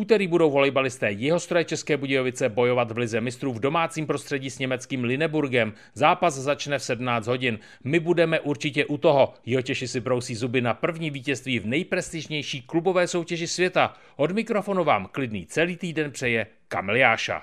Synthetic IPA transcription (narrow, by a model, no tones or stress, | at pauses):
uːt̪ɛɾiːbudo̞wɦo̞lɛjbalɪst̪ɛːjɪɦo̞st̪ɾojɛt͡ʃɛskɛːbuɟɛjovɪt͡sɛbo̞jo̞vat̪vlɪzɛmɪst̪ɾuvdo̞maːt͡siːmpɾost̪r̥ɛɟiːsɲɛmɛt͡skiːmlɪnɛbuɾɡɛm | zaːpazzat͡ʃnɛfsɛdmnaːt͡sd̪ɦo̞ɟɪn | mɪbudɛmɛʔuɾt͡ʃɪcɛʔut̪o̞ɦo̞jɪɦo̞cɛʃɪsɪbɾo̞wsiːzubɪnapr̩vɲiːviːcɛst̪viːvnɛjpɾɛst̪ɪʒɲɛjʃiːklubo̞vɛːso̞wcɛʒɪsvjɛt̪a | ʔo̞dmɪkɾo̞fo̞nuva̰ːmklɪdnḭːt͡sɛliːt̪iːdɛnpr̝̥ɛjɛ | ka̰mɪlɪjaːʃa̰